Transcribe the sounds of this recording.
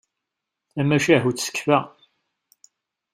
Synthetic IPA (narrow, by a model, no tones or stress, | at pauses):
æmæʃæɦut͡ssə̥kːfæ